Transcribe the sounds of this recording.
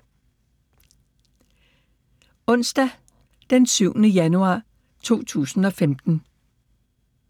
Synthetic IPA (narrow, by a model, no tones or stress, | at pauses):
ɔ̽n̰sd̥æ | d̥ensyʊ̰nəjænuɑ̰̈ː | t͡sʰo̝̰ːt͡sʰṵːsn̩ɒ̽femd̥n̩